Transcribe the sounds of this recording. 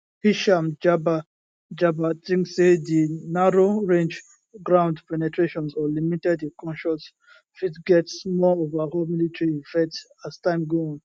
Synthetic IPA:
hiʃamd͡ʒaba | d͡ʒabatĩŋksedinaɹoɹẽnd͡ʒ | ɡɹãʊ̃ndpɛnɛtʰɹeʃɔ̃nsɔlimitɛdikɔ̃nʃɔs | fitɡɛtsmɔovaholmilitɹiːfɛt | astãɪ̃mɡoĩn

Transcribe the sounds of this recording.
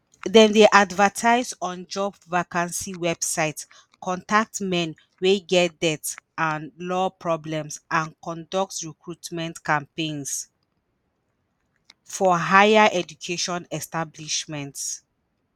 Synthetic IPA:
dɛ̃mdeʔadvətʰaɪzɔ̃nd͡ʒɔbvakãnsiwɛb̥saɪt | kʰɔ̃ntak̚tmɛ̃n | weɡɛt̚dɛtãnlɔpɹɔblɛ̃msʔãnkɔ̃ndɔk̚tɹikʰɹutmɛ̃ntkãmpẽns | fɔɦajaʔɛd͡ʒukʰeʃɔ̃nɛstabliʃmɛ̃nt

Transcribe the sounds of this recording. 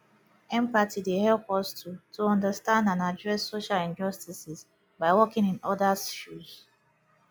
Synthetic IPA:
ɛ̃mpatʰidehɛlpɔstʰutʰuɔ̃ndəstãndãnadɹɛsːoʃalĩnd͡ʒɔstisɪs | baɪwɔkɪ̃ŋĩnɔdasfuz̥

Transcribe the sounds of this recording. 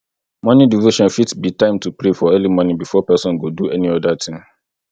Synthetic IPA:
mɔ̃nĩdivoʃɔ̃nfitsbitʰãɪ̃mtʰupʰɾefɔɜlimɔ̃nĩbifɔpɛsɔ̃nɡoduɛnĩɔdatʰɪ̃ŋ

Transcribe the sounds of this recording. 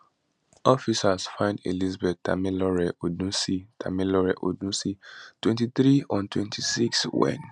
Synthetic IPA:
ɔfisasfãɪ̃ndḛlizbɛt̚ta̰milɔɹɛʔodnũsitʰa̰milɔɹɛʔo̰dũsitwɛ̃ntiθɹiɔ̃ntwɛ̃ntʰisikswɛ̰̃n

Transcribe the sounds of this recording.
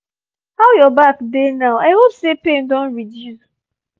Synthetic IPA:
haʊjɔbakdenaʊaɪɦopsepẽndɔ̃nɹidjus

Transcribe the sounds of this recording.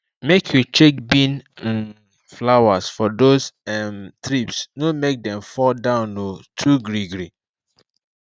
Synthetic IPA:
mekʰjut͡ʃek̚bĩn | flawasfɔdosɛmtɾipsnomek̚dɛ̃mfɔldãʊ̃notʰuɡɾiɡɾi

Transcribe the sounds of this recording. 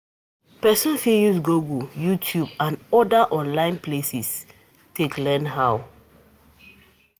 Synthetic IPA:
pɛsɔ̃nfijusɡuɡujutʰjubãnɔdəʔɔ̃nlãɪ̃nplesis | tʰeklɛnɦaw

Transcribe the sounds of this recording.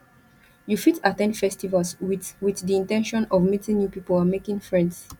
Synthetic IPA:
jufitatɛ̃ndfɛstivalswiwiθdiĩntɛ̃nʃɔ̃nɔvmitĩŋjupipɔlamekɪ̃ŋfɹɛ̃nds

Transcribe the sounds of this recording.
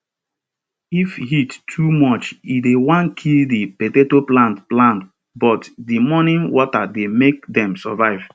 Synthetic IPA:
ifhitːʰumɔt͡ʃidewãnkʰildipetetoplãntplãnt | bɔtdimɔnĩnwɔtademek̚dɛ̃msɔvaɪv̥

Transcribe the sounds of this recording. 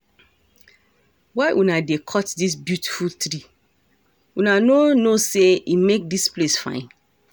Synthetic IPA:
waɪʔunadekʰɔtdis̬bjuti̥fultɾi | wunanonoseimek̚displesfã̰ɪ̃n

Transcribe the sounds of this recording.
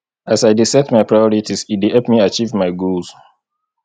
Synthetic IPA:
asajdisɛtmajpʰɹajɔɹitʰisitdihɛpmiat͡ʃivmaɪɡuls

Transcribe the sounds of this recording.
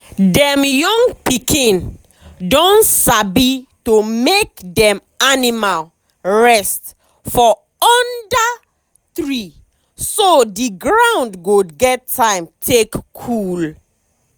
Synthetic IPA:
dɛ̃mjɔ̃ŋɡpikĩn | dõnsabitomekdɛ̃m | animal | ɹɛst | fɔ | ɔnda | θɹi | sodiɡɹãʊ̃ndɡodɡɛtʰːãɪmtʰekkʰul

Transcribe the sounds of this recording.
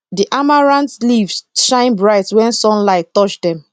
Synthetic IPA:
diʔamaɹãntlivsʃãɪ̃nbɹaɪtwɛ̃nsɔ̃nlaɪtːɔt͡ʃdɛ̃m

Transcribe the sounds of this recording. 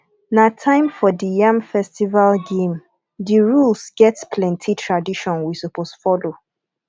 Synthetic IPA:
natʰãɪ̃mfɔdijãmfɛstivalɡẽm | diɹulsɡ̥ɛtpʰlɛ̃ntʰitʰɹadiʃɔ̃nwisuposfɔlo

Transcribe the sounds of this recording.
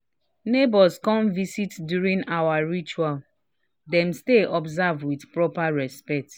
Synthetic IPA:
nebɔskɔ̃mvisitdjuɾĩŋawaɹit͡ʃual | dɛ̃m̩steʔɔbzavdwidpɹɔpaɹɛspɛk̚t

